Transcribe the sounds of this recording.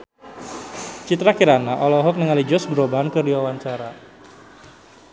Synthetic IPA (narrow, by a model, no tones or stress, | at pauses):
t͡ʃit̪ɾakiɾanaʔɔlɔɦɔk̚nəŋalid͡ʒɔsɡɾobankərdiwawaɲt͡ʃaɾa